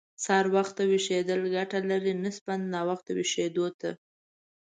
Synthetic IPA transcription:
sɑɾwaxt̪aweʃed̪əlɡaʈalaɾinəspand̪nɑwaxt̪aweʃed̪ot̪a

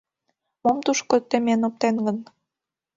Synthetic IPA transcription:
momt̪uʃkŏt̪ːĕmʲenɤ̆p̚t̪enɡɤ̆n

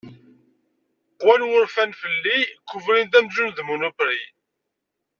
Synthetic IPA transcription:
qwænwʊɾfænfəlːikːʊvɾint̪̬æmʒunðmunupɾḭ

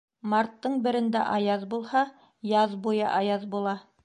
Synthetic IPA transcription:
mɑɾt̪ːɤɴbɘ̆ɾɘ̆nd̪æ̰ʔɑjɑðbulˠhɑ | jɑðbujɑ̰ʔɑjɑðbulˠɑ

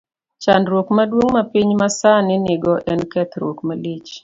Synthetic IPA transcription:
t͡ʃandɾwokmadwoŋmapiɲmasanɪnɪɡɔʔɛnkɛt̪ɾo̰kmalit͡ʃ

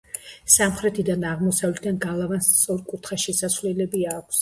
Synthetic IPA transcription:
samχɾɛt̪ʰid̪anaʁmɔsavlɛt̪ʰd̪anɡalˠavanst̪sʼɔɾkʼut̪ʰχaʃɛsasvlɛlɛbiaːkʷʰs

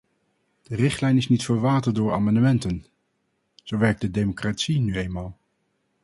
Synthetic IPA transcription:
d̥ərɪχtlɛjnɪsnitfəɹʋaːtədʊːɹa̰ːmɑndəmɛntən | z̥owʋɛɹk̚dədejmokraːtsinyejnmaːlˠ

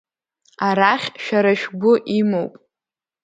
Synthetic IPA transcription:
aɾaχʲʃᶣaɾaʃᶣɡʷʊʔimowpʼ

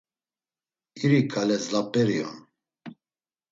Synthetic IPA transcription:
iɾikʰalɛzlapʼɛɾiɔ̰n

